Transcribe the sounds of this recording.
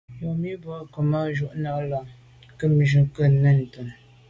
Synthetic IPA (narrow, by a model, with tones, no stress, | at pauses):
jo˨mi˦bə˨˦ko˨mə˦ʒu˦˨ʔna˨ʔla˨ | kə˦m˨ʒu˨kə˦˨nə˦˨n̩˨tə˨n